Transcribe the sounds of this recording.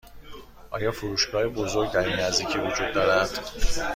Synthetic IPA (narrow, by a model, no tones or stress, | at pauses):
ʔɒ̰ːjɒːfoɾuːʃɡɒːjebo̞zo̞ɾɡt̪ʰæɾinæzd̪iːcʰiːvod͡ʒuːd̪̚ːɒːɾænd̪̥